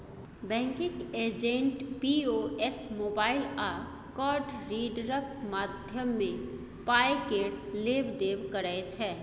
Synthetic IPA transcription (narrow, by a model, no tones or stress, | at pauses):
bɛ̃ŋkɪked͡ʒẽɳʈpioesmobaːɪlaːɾ | kɔːɾɖɾiɖɾək̚maːd̪ʱjəmːẽ | pajkeɽleːbd̪eːbkəɾəet͡ʃʰɛ